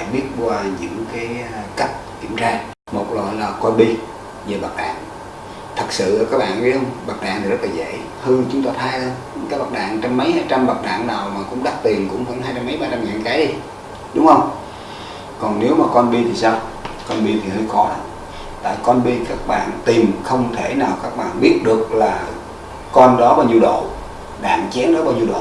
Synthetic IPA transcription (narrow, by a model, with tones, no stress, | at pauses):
ɓi˦˥ət̚kwaː˧ɲɨ̰˧˥ŋkaː˨˦jka˦˥jk̚ki˧˩əmt͡ɕaː˧ | mo˨˩t̚lo̰˧˨jlaː˨˩kɔ˧nɓi˧ | ve˨˩ɓaː˨˩k̚ɗa̰ː˧˨ŋ | t̪ʰə˨˩k̚sɨ̰˧˨ʔəː˨˦kaː˦˥k̚ɓa̰ː˧˨nɗi˧˦hə˧wŋ͡mɓaː˨˩k̚ɗa̰ː˧˨ŋt̪ʰi˨˩zə˦˥t̚laː˨˩zə̰˧˨ | hɨ˧əŋt͡ɕʊ˨˦ŋ͡mt̪aː˧t̪ʰaː˧jə˧ | kaː˨˦ɓa˨˩t̚ɗa̰ː˧˨ŋt͡ɕɔ˧mːə˨˦jhaː˧jt͡ɕa˧mɓa˨˩t̚ɗa̰ː˧˨ŋnaː˨˩wmaː˨˩kʊ̰˧˥ŋ͡mɗa˦˥k̚t̪i˨˩ənkʊ̰˧˥ŋ͡mvə̰˧˥nhaː˧jt͡ɕa˧mːə˨˦jɓaː˧t͡ɕa˧mŋaː˨nkaː˨˦ɗi˧ | ɗʊ˨˦ŋ͡mhə˧wŋ͡m | kɔ˨˩nne˨˦wmaː˨˩kɔ˧nɓi˧t̪ʰi˨˩saː˧wkɔ˧nɓi˧t̪ʰi˨˩hə˧xkɔ˨˦ɗa˨˦ | t̪a̰ː˧˨jkɔ˧nɓi˧kaː˦˥k̚ɓa̰ː˧˨nt̪i˨˩mxə˧wŋ͡mt̪ʰe˧˩naː˨˩wkaː˦˥k̚ɓa̰ː˧˨nɓi˦˥ət̚ɗɨ˨˩ək̚laː˨˩ | kɔ˧nɗɔ˨˦ɓaː˧wɲi˧wɗo̰˧˨ | ɗa̰ː˧˨nt͡ɕɛ˨˦nɗɔ˨˦ɓaː˧ɲi˧wɗo̰˧˨